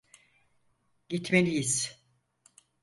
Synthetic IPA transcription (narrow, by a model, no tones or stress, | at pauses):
ɟit̪melʲijiz̥